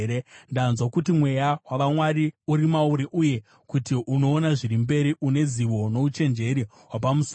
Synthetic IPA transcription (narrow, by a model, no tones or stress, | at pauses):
endanzwakutimwe̞jawaʋamwaɾiuɾimauɾiʔuje̞ | kutiʔuno̞ːnaʐiɾimbe̞ɾiʔune̞ziʋo̞no̞ut͡ʃe̞nd͡ʒe̞ɾi | ɦwapamus